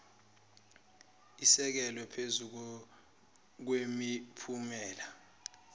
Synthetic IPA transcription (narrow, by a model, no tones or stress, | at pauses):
isɛk̬ɛlɔpʰezu | k̬wemipʰumɛːla